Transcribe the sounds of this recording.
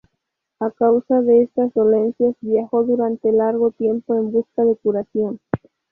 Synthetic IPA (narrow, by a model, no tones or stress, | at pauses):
akawsaðe̞est̪azðo̞le̞nsjazbjaxo̞ðuɾant̪elaɾɣo̞t̪je̞mpo̞e̞mbuskaðe̞kuɾasjo̞n